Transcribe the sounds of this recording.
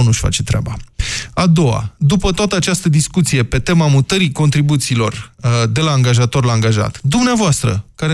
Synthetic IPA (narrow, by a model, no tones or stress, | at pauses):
nuʃʲfa̰t͡ʃet̪ɾʲea̰baad̪o̞a̰d̪upət̪oat̪əat͡ʃast̪əd̪iskut̪sije̞pe̞t̪e̞mamut̪əɾiko̞nt̪ɾibut̪siːlo̞rd̪e̞laːŋɡaʒat̪o̞rlaːŋɡaʒa̰t̪d̪umneavoast̪ɾə̰kaɾe